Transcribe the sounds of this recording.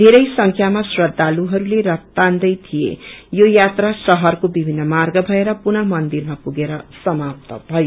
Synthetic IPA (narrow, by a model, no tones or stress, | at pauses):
d̪ʱeɾʌjsʌŋkʰjamasrʌd̪ʱːaluɦʌɾuleɾʌt̪ːand̪ʌjt̪ʰijḛjojat̪rasʌɦʌrkobibʱinːʌmarɡʌbʱʌeɾʌpunʌmʌnd̪irmapuɡeɾʌsʌmap̚t̪ʌbʱʌjo